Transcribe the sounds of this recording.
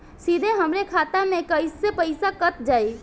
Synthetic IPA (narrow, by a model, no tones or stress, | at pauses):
sid̪ʱeɦəmɾekʰat̪amẽkəjsepəɪsakət̪d͡ʒaj